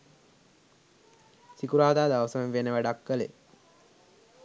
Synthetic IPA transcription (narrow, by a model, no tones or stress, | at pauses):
sikuɾaːd̪aːd̪aʋəsəʋənʋenːəʋæɖakːəlḛ